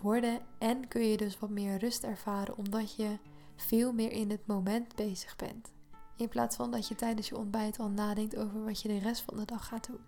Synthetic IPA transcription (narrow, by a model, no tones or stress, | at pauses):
ʋɔɹdəɛnkɵnjədɵsʋɑtmɪːɹrɵstɛɹv̥aːɾə̰nɔmdɑcjə | v̥ɪːlˠmɪːɹʔɪnətmowmɛntbejz̥əχbɛ̰nt | ɪnpla̰ːtsfɑndɑtjətɛjdənsjəɔ̰nbɛjtʰɑlˠnaːdɛŋktowvəɹʋɑtjədərɛstfɑ̰ndədɑχːaːt̚dun